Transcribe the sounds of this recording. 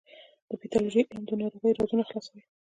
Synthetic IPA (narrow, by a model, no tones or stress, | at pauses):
d̪̥əpit̪ɑluʒiʔnd̪ənɑɾoɣəjɾɑzunaxlɑsawi